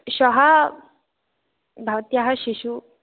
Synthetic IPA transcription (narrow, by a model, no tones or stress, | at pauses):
ɕɔɦa | bʱaʋt̪jaɦaɕiɕu